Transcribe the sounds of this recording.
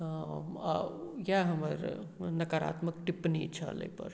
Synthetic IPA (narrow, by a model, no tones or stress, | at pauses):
jaɦəməɾnɐkaɾa̰ːt̪məkʈipnit͡ʃʰa̰lḛpə̰ɾ